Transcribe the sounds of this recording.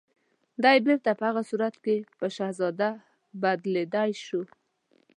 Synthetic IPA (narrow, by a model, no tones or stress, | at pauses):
d̪ajbeɾt̪apəhaɣasuɾat̪kepəʃahzɑd̪a | bad̪led̪ajʃu